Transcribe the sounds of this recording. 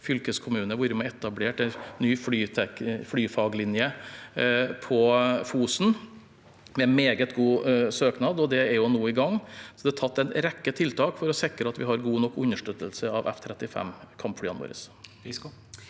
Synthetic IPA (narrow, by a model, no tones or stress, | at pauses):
fʏlkəskʰʊmʉːnəʋuːɾəmɛɛt̪ɑbleːʈɛnːyːflyːt̪ʰɛkflyːfɑːɡlɪnjə | pʰɔfuːsn | mɛnmeːɡət̪ɡuːsøːknɑːd̪ɔd̪ɛæɾjʊnoːɪɡɑŋːsɔd̪ɛæt̪ʰɑt̪ːɛnɾɛkːət̪ʰɪlt̪ʰɑːkfɔɾɔsɛkɾəɑt̪ʋɪɦɑɾɡuːnɔkːʊnːəʂʈøt̪ːəlsəɑʋʔɛ̰ft̪ʰɾɛt̪ːɪfɛ̰mkʰɑmpflyːɑno̰ːɾə̰s